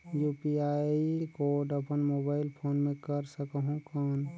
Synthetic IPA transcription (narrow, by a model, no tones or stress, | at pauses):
juːpiaːikoːɾɖəpənmoːbaːɪlpʰoːnmẽkəɾsəkəɦũkɔːn